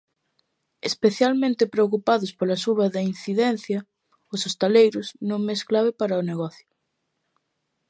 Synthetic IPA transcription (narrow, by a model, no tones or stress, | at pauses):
espeθjalmẽnt̪ɪpɾeokupaðʊspolɐsuβɐðɐin̟θiðɛnθjɐ | ʊsost̪alejɾʊsnõŋmesklaβɪpaɾɐʊneɣ̞ɔθjʊ